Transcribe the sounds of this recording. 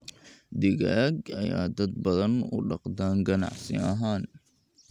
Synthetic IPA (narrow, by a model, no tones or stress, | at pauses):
d̪ɪɡaːɡɐja̰ːd̪ɐd̪̚bɐðɐnʊ̰ɖɑqd̪aːŋɡɐna̰ʕsɪɐɦaːn